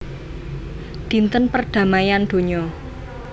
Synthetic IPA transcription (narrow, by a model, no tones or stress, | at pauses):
d̪̥i̤nt̪ənpərɖ̪̥ä̤majand̪̥o̤ɲɔ